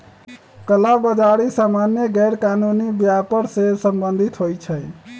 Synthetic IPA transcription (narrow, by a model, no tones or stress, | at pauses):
kəlabəd͡ʒaɽisamanjeɡɛɾkanunibjapəɾsesəmbənd̪ʱit̪ɦojt͡ʃʰəj